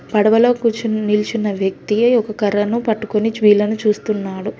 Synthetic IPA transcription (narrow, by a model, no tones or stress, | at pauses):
pɐɽɐʋɐloːkuːt͡ʃinilt͡ʃinːɐʋjɐk̚t̪iɐjɔkɐkɐɾɐnupɐʈːukonit͡ʃʋiːlɐnut͡ʃuːst̪unːaːɽu